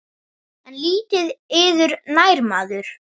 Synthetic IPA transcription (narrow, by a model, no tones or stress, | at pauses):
ɛnliːt̪ɪðɪːðʏɾnajɾmaːðʏɾ̥